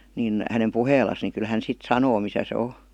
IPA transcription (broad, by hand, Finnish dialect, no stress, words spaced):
nin hænem puheːlˑɑs ni kyl hæn sit sɑnoː misæ se o